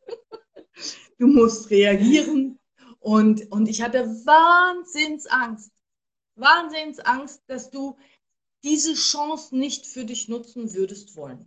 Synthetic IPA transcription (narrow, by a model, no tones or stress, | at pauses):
d̥uːmʊstʁeaɡiːʁən | ʔʊntʔʊntɪçhatəvaːnzɪnsʔaŋst | vaːnzɪnsʔaŋst̚d̥asd̥uː | d̥iːzəʃɔŋsnɪçtfyːɐdɪçnʊt͡sn̩vʏɐdəstv̥ɔlən